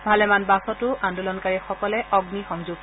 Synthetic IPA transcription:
bʱalɛmanbasɔtʊʔandulɔnkaɹixɔkɔlɛɔɡnixɔŋzuɡ

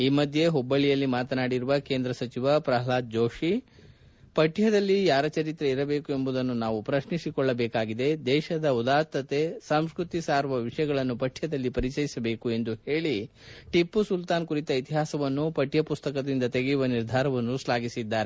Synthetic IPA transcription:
iːmɐd̪ʱje̞ɦobːɐɭijɐlːimaːt̪ɐnaːɽiɾuʋɐkeːnd̪ɾɐsɐt͡ʃiʋɐpɾɐɦɐlaːd̪̚d͡ʒoːʂi | pɐʈʰjɐd̪ɐlːijaːɾɐt͡ʃɐɾit̪ɾɐiɾɐbe̞ːkue̞mbud̪ɐnːunaːʋupɾɐʃnisikɔɭːɐbɛːkaːɡid̪e̞d̪ɛːʃɐd̪ɐud̪aːɾt̪ːɐt̪e̞sɐmskɾut̪isaːɾʋɐʋiʂɐjɐɡɐɭɐnːupɐʈʰjɐd̪ɐlːipɐɾit͡ʃɐjisɐbe̞ːkue̞nd̪uhe̞ːɭi | ʈipːusult̪aːnkuɾit̪ɐit̪iɦaːsɐʋɐnːupɐʈjɐpust̪ɐkɐd̪ind̪ɐt̪eɡejuʋɐniɾd̪ʱaːɾɐʋɐnːuslaːɡisid̪ːaːɾe

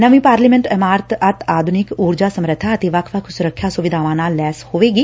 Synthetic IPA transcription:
nəʋĩːpaːɾliːmɛ̃ɳʈəmaːɾt̪ət̪ʰaːd̪ʱʊnɪkuːɾd͡ʒaːsəmɾət̪ʰːaːət̪eːʋəkʰʋəkʰsʊɾəkʰːjaːsʊʋɪd̪ʱaːʋãːnaːlːɛːshoːʋeːɡiː

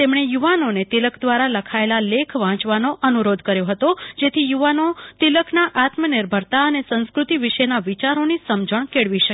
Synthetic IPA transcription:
t̪emɳ̃ejuʋanonet̪iləkʰd̪ʋaɾaləkʰaelalekʰʋãt͡ʃʋanoʔənuɾod̪ʱkəɾjoɦət̪od͡ʒet̪ʰijuʋanot̪iləkʰnaʔat̪məniɾbʱəɾt̪aənesə̃nskɾut̪iʋiʃenaʋit͡ʃaɾonisəmd͡ʒəɳ̃keɭʋiʃə

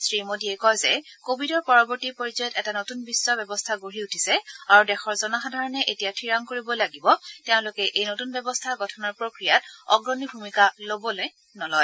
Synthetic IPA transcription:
sɹimodiɛkɔjzɛkobʱidɔɹpɔɹɔbɔɹtipoɹizɔjɔtɛtanotunbisːɔbɛbɔstʰaɡoɦiutʰisɛaɹudɛxɔɹzɔnaxadʱaɹɔnɛʔetijatʰiɹaŋkoɹibɔlaɡibɔtɛʊ̃lʊkɛʔejnotunbɛbɔstʰaɹɡɔtʰɔnɔɹpɹokɹijat̚ɔɡɹɔnibʱumikalobɔloj | nɔlɔj

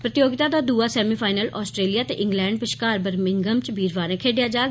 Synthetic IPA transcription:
pɾət̪joːɡɪt̪aːd̪aːd̪uːaːsɛːmiːpʰaːɪnəlʔɔːsʈɾeːlijaːt̪ḛːʔɪ̃ŋɡlɛ̃ːɳɖpɪʃkaːɾbəɾmɪŋɡəmt͡ʃbʱiːɾʋaːɾɛ̃ːkʰeːɖɪjaːd͡ʒaː

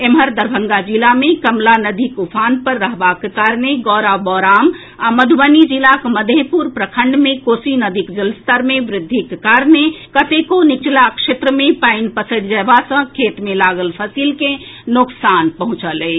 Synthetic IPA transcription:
emɦəɾd̪əɾbʱə̃ŋɡad͡ʒilamẽkəmlanəd̪ʱikupʰaːnpəɾːəɦbakkaːɾneɡɔːɾabɔːɾaːm | aməd̪ʱubənid͡ʒilakməd̪ʱepuɾpɾəkʰəɳɖmẽkoːsinəd̪ʱikd͡ʒəlst̪əɾmẽʋɾɪd̪ʱːikkaːɾnekət̪ekonɪt͡ʃlakʃet̪ɾəmẽpaɪnpəsəɽd͡ʒɛbasə̃kʰeːt̪mẽlaːɡəlpʰəsiːlke | nʊksaːnpəɦʊ̃t͡ʃəle

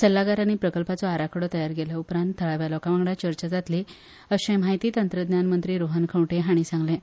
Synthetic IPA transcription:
səlːaɡaɾanːiːpɾəkəlpat͡sɔaɾakʰɽɔt̪əjaɾɡeljaupɾãnt̪ʰːəɭaʋjalɔkaʋãŋɡɽat͡ɕəɾt͡ɕad͡zat̪li | əɕẽm̤aɦit̪iːt̪ənt̪ɾəd̪njanmənt̪ɾiːɾoɦənkʰə̃wʈeɦaɽ̃iːsãŋɡlẽ

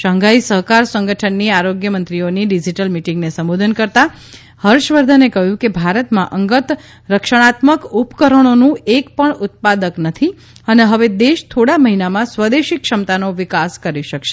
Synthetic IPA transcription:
ʃəŋɡʱaisəɦkaɾsəŋɡəʈʰənːiaɾoɡjəmənt̪ɾioniɖid͡ʒiʈəlmiʈĩŋɡnesə̃mbod̪ʱənkəɾt̪a | həɾʃʋəɾd̪ʱənekəɦjũkebʱaɾət̪mãʔəŋɡət̪ | ɾəkʃəɽ̃at̪məkupkəɾəɽ̃onũekpəɳʊt̪̚pad̪əknət̪ʰi | əneɦəʋed̪eʃt̪ʰoɽaməɦinamãsʋəd̪eʃikʃəmt̪anoʋɪkaskəɾiʃəkʃe

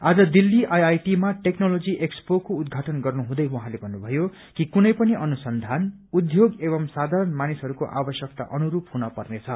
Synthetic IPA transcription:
ad͡zʌd̪ilːiʔajajʈimaʈeknolod͡ziʔekspokoud̪ɡʱaʈʌnɡʌrnuɦũd̪ʌjwuɦãlebʱʌnːubʱʌjo | kikunʌjpʌniʔʌnusʌnd̪ʱan | ud̪joɡeβʌmsad̪ʱaɾʌnmanisʌɾukoʔa̰bʌsjʌk̚t̪a̰ʔʌnuɾupɦunʌpʌrnet͡sʰʌ

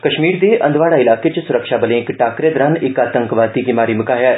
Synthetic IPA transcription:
kɐʃmiːɾd̪eːʔɐ̃nd̪ʋaːɽaɪlaːket͡ʃsʊɾəkʃabəlẽɪkʈaːkɾed̪ɾənʔɪkaːt̪əŋkʋaːt̪iɡɪmaːɾimʊkaːɦjɛ

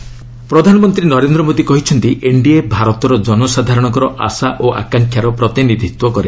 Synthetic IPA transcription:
pɾɔd̪ʱanɔmɔnt̪ɾinɔɾend̪ɾɔmod̪ikɔɦit͡ʃʰɔnt̪iʔeɳɖiebʱaɾɔt̪ɔɾɔd͡ʒɔnɔsad̪ʱaɾɔɽ̃ɔk̬ɔɾɔʔa̰saʔoʔa̰kaŋkʰjaɾɔpɾɔt̪inid̪ʱit̪wɔkɔɾe

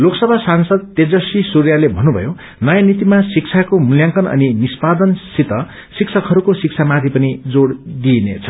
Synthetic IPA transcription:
loksʌbʱasansʌd̪̚t̪ed͡zʌsisuɾjalebʱʌnːubʱʌ̰jo | nʌjanit̪imasik̚t͡sʰakomuljaŋkʌnʌ̰ninispad̪ʌnsit̪ʌ | siksʰʌkɦʌɾukosik̚t͡sʰamat̪ʰipʌnid͡zoɽd̪inḛt͡sʰʌ̥

